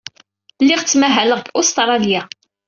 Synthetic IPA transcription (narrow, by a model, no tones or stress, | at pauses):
lːiʁt͡sːmæɦæləʁɡʊst̪ɾˤɑlja